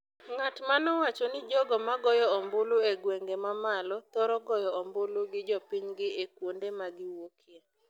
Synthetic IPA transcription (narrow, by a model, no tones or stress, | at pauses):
ŋatmanɔwat͡ʃɔnɪd͡ʒɔɡɔmaɡɔjɔɔmboloeɡweŋɡemamalɔt̪ɔɾɔɡɔjɔɔmboloɡɪd͡ʒɔpiɲɡɪekwondemaɡɪwokʰje